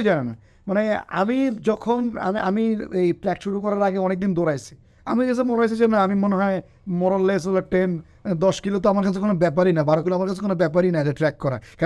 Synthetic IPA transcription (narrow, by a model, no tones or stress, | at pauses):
d͡ʑanena̰ | manea̰mid͡ʑɔkʰona̰a̰miejplɛkʃuɽukɔɾaɾaɡeɔnek̚d̪ind̪oɾajt͡ɕʰi̥ | amikasʰemoɾajsʰet͡ɕʰimaneamimoneɦɔe | mɔɾolːes̬olaʈen | d̪ɔʃkilot̪̬oamaɾkat͡ɕʰekonobɛp̬aɾinabaɾokiloamaɾkat͡ɕʰekonobɛp̬aɾinad͡ʑaʈɾɛkːɔɾa̰ka